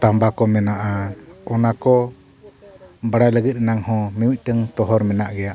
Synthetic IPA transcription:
t̪ambakɔmɛnaʔaɔnakɔ | baɽaləɡət̪̚naŋhɔ̃mɛwic̪̚ˀʈəŋt̪ɔɦɔɾmɛnaʔɡɛjaʔ

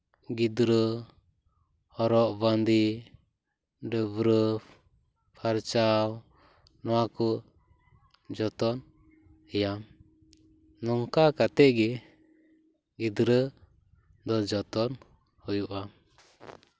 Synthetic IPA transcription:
ɡid̪ɾə | ɔɾɔʔband̪i | ɖəβɾə | pʰaɾt͡ʃaw | nɔwakɔʔ | d͡ʒɔt̪ɔn | ɛjam | nɔŋkakat̪ɛʔɡɛ | ɡid̪ɾə | d̪ɔd͡ʒɔt̪ɔn | hɔjuʔam

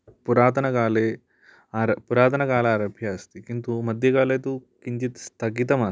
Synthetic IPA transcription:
puɾaːt̪ɐnɐkaːleː | aɾɐpuɾaːt̪̬ɐnɐkaːlɐːɾɐbʱjaːst̪ikint̪umɐd̪ʱjɐkaːleːt̪ukiɲt͡ʃit̪st̪ʰɐɡit̪ɐmaː

